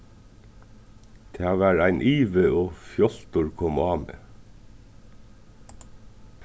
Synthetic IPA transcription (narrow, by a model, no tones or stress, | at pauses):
t̪ʰeːʋæːɾæɪnʔiːʋəoːfjɔlt̪ʊɹkʰɔmɑːmḛː